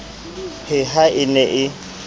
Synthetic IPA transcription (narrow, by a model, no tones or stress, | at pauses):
hʰɪɦaɪnɛʔɪ